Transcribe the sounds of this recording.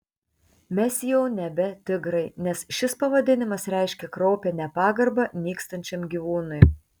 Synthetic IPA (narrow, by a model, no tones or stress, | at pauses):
mʲɛsjɛʊnʲɛbʲɛt̪ʲɪɡɾɐɪnʲɛsʃʲɪspɐʋɐd̪ʲɪnʲɪmɐsɾʲɛˑɪʃʲkʲɛkɾɔʊpʲɛnʲɛpɑːɡɐɾbɐnʲiːkst̪ɐnʲt͡ʃʲɛmɡʲiːʋuːnʊj